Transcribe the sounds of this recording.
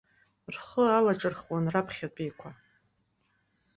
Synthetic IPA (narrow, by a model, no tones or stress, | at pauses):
rχəalaʈ͡ʂʼɨrχwanrapʰχʲat͡pʼijkʷʰa